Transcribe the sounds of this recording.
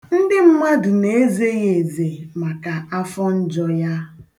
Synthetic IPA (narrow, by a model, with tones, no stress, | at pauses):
n̩˦dɪ˦m̩˦ma˦dʊ˨ne˨e˦ze˦ɣe˨ze˨ma˨ka˨a˦fɔ˦n̩˦d͡ʒɔ˦ja˦